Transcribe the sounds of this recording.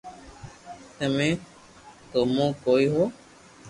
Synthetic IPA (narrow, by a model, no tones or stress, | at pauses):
t̪əmẽː | t̪omõːkoːiɦoː